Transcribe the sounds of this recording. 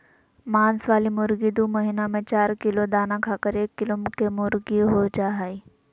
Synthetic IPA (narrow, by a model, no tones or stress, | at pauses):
maːnsʋaːlimʊɾɡid̪uːməɦinamẽt͡ɕaːɾkilod̪anãkʰaːkəɾeːkːilomʊkʰemʊɾɡiɦod͡ʒaɦai